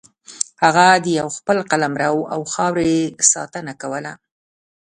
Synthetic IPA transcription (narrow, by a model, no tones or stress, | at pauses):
haɣad̪əjawxpəlqalamɾawawxɑwɾeesɑ̰t̪ənakawəla